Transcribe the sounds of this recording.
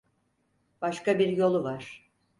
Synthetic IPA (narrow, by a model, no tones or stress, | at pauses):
b̥aʃkabiɾjo̞lˠuvaɾ̥